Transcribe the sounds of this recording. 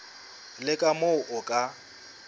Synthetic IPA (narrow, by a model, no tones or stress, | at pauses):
lɪkʼamoʊʔʊkʼa